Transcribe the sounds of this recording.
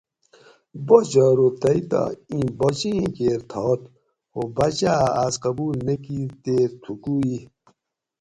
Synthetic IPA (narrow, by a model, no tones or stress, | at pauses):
bod͡ʑaːɾot̪ɐit̪a̰ĩbot͡ɕĩkeːɾt̪ʰɔːt̪ | hobat͡ɕaasqɐbuːlnekit̪eːɾt̪ʰukui